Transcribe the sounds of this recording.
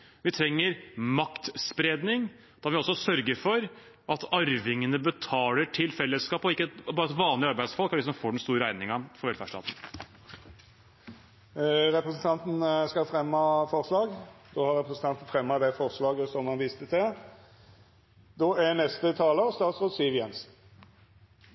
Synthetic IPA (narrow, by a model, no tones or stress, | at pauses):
ʋɪt̪ʰɾɛŋːəɾmɑkt̪spɾeːd̪nɪŋ | d̪̥ɑʋɪɔsːɔsœɾɡəɾfɔɾ | ʔɑt̪ɑɾʋɪŋənəbət̪ʰɑːləʈʰɪlfɛlːəskɑːpɔɪkːəbɑːɾəɛt̪ʋɑːnlɪɑɾbæɪd̪sfɔlkæɖɪs̬ɔmfoːɖɛnst̪uːɾəæɪnɪŋɑfɔɾʋɛlfæʂʈɑ̰ːt̪n̩ | ɾɛpɾəsən̩t̪ʰɑnt̪n̩skɑfɾɛmːɑfɔʁʂlɑːɡd̪̥ohɑɾɛpɾəsn̩t̪ɑnt̪n̩fɾɛmːɑd̪ɛfɔʁslɑːɡəsɔmhɑnʋist̪ət̪ɛ | d̪oænɛst̪ət̪ʰɑːləst̪ɑːt̪sʁoːd̪siːʋjɛnsn